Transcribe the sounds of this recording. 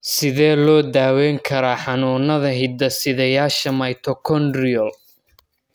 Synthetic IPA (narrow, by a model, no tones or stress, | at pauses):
sɪðɛːlɔːd̪aːwɛːŋkʰɐɾaːħɑnuːnɐðɐɦɪd̪ɐsɪðɐjaːʃɐmɐjt̪ʰɔkʰɔnd̪rɪɔl